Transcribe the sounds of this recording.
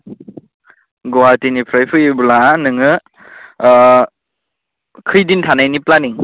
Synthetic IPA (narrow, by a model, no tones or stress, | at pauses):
ɡɔwatinipʰɾajpʰɯjibulanɯŋɯ | kʰɯjdintʰanajniplaniŋ